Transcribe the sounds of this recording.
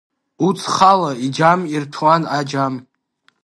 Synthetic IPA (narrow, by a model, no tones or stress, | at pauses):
ut͡sʰχalaid͡ʒamirtʰwanad͡ʒam